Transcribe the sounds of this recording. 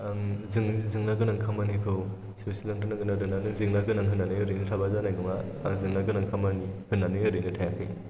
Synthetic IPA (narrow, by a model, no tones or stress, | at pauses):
zɯŋzɯŋnaɡɯnaŋkʰamanikʰɯw | ssilaŋtɯnaɡɯnadɯnanɯzɯŋnaɡɯnaŋɦɯnːanɯjɯɾɯjnɯtʰabazanajɡɯŋaazɯŋnaɡɯnaŋkʰamanihɯnːanɯjɯɾɯnɯtʰajakʰɯj